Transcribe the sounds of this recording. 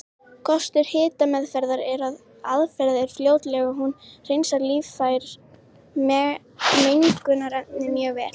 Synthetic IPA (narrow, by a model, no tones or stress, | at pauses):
kʰɔst̪ɪɾ̥hɪːt̪amɛðfɛɾðaɾɛɾað | aðfɛɾðɪɾ̥fljoːwt̪lɛɣaɦunr̥ejnsaɾliːvfajɾ | mɛ | mejnŋkʏnaɾɛt̪nɪmjœːvɛːl